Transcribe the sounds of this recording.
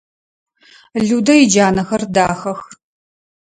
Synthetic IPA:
ɮudɐid͡ʒaːnɐxɐrdaːxɐx

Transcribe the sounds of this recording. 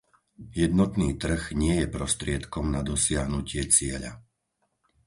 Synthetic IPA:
jɛd̪nɔt̪niːt̪r̩ɣɲɪɛjɛpɾɔst̪ɾɪɛt̪kɔmnad̪ɔsɪaɦnucɪɛt͡sɪɛʎa̰

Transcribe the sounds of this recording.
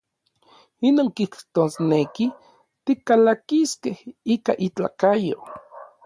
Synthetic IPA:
inoːŋkiht̪osneki | t̪ikalakiskehika̰ʔit͡ɬa̰kajo

